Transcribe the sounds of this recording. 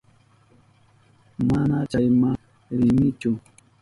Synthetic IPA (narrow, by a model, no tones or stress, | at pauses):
manat͡ʃajma | ɾɪmɪt͡ʃʊ